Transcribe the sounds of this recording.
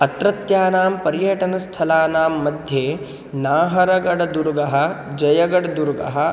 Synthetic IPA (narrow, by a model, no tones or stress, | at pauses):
ɐt̪ɾɐt̪jaːnaːmpɐɾjɐʈɐnɐst̪ʰɐlaːnaːmːɐd̪ʱjeː | naːɦɐɾɐɡɐɽɐd̪uɾɡɐɦɐ̆d͡ʒɐjɐɡɐɽɐd̪uɾɡɐ̰ɦɐ̆